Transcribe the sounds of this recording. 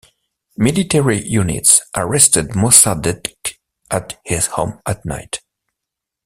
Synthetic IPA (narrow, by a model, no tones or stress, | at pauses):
mɪlitʰɛɹijunɪ̰tsʔəɹɛstɨdmɔsadɛtk | ʔəthɪz̥hõ̰mʔətna̰ɪt